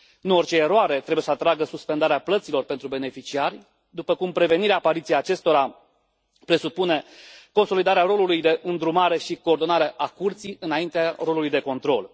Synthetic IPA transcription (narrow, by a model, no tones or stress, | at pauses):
nuort͡ʃe̞ːɾoaɾe̞t̪ɾe̞bujesəat̪ɾaɡəsuspe̞nd̪aɾeaplət̪silo̞rpe̞nt̪ɾube̞ne̞fit͡ʃiarʲ | d̪upəkumpɾe̞ve̞niɾeaːpaɾit̪sijaːt͡ʃe̞st̪o̞ɾa | pɾe̞supune̞ko̞nso̞lid̪aɾeaɾo̞lulujd̪e̞ʔɨnd̪ɾumaɾe̞ʃiko̞ːrd̪o̞naɾeʔakurt̪sijʔɨnaint̪earo̞lulujd̪eko̞nt̪ɾo̞l